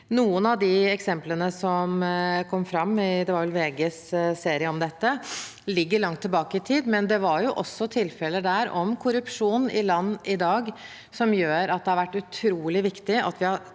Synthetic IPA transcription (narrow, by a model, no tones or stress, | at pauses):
nuːənɑʋd̪ɪɛksɛmplənəsɔmkʰɔmːfɾɑmːɪd̪ɛʋɑɾʋɛlʋeːɡɛsseːɾɪəɔmd̪ɛt̪ːə | lɪɡːəɭɑŋt̪ʰːɪlbɑːkəɪt̪ʰiːd̪mɛnd̪ɛʋɑɾjʊʔɔsːɔt̪ʰɪlfɛləd̪æɾɔmkʰʊɾʉpʂuːnɪlɑnːɪd̪ɑːɡ | sɔmjøːɾɑt̪̚d̪ɛhɑɾʋæʈːʉt̪ʰɾuːlɪʋɪkt̪ɪʔɑ̰t̪ʋɪhɑɾ